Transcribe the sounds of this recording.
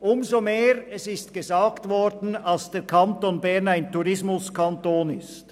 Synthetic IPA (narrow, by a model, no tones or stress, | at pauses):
ʔʊmzomeːʁɛsɪstɡ̥əzaːɡtvɔɾdn̩alsd̥ɛːkʰantoːnbɛɐnaɪntuɾɪsmʊskʰantoːnɪst